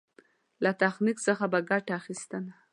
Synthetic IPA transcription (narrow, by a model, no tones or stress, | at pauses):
lat̪axniksəxabaɡaʈaːxist̪əna